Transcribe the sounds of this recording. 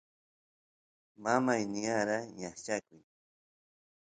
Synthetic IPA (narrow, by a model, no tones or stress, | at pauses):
mamajnɪjaɾaɲaχt͡ʃakʊj